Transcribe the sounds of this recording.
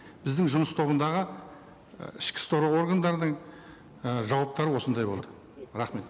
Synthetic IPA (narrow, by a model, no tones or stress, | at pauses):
b̥ɪzd̪ɪŋʒʊməst̪ʰo̞βənd̪ɑʁə̰ | ɪʃkʲɪ̥st̪oɾoo̞ɾɡand̪ɑɾd̪əɴ | ʒɑwɑp̚t̪ɑɾəwo̞sənd̪ɑjbo̞lˠɑd̪ə | ɾɑχme̞t̪